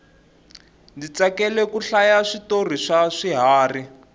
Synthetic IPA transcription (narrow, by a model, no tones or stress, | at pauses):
ndit͡sakɛlɛkuɬajaʂitor̤iʂaʂiɦaːri